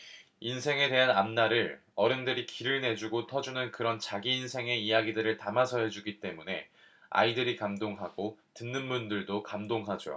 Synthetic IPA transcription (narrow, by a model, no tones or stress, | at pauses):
insʰe̞ŋe̞de̞ɦanamnaɾɯɭ | ʌɾɯndɯɾikiɾɯɭne̞d͡ʑuɡotʰʌd͡ʑunɯnkɯɾʌnt͡ɕaɡiːnsʰe̞ŋe̞ijaɡidɯɾɯɭtamasʰʌɦe̞d͡ʑuɡit͈e̞mune̞a̰idɯɾikamdoŋɦaɡotɯnːɯnmundɯɭdokamdoŋɦad͡ʑo̰